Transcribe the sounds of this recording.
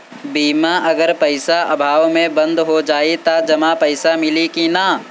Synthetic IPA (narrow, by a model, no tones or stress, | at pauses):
biːmaʔɐɡəɾpəɪsaʔɐ̰bʱaːʋmẽbɐ̃nd̪ɦod͡ʒaːit̪ad͡ʒɐmapəɪsamɪlikinaː